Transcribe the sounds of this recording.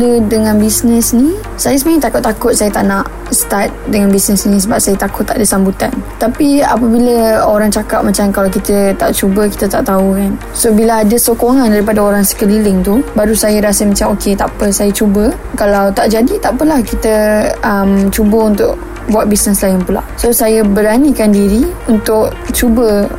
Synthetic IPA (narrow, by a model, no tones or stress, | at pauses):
ədəŋãnbisnəsni | sajəsəmãt̪akʊt̪ːakʊt̪̚sajət̪aʔnaʔ | st̪at̪̚dəŋanbisnəsnĩs̬əbap̚sajət̪akʊt̪ːaʔdəsambut̪ant̪apia̰p̬əbiləoɾaŋt͡ʃakap̚mat͡ʃamkalawk̬it̪ət̪aʔt͡ʃubəki̥t̪ət̪aʔt̪aukan | sobilaadəsokoŋãndaɾipadaoɾaŋsə̥kədilɪŋt̪ubaɾusajəɾasəmat͡ʃamokʰet̪apəsajat͡ʃubə | kalawt̪aʔd͡ʒadit̪aʔpəlahkit̪əəmt͡ʃubəunt̪ʊʔ | buat̪̚bisnəslaɪnpula̰ʔsosajəbəɾanikandiɾiunt̪ʊʔ | t͡ʃubə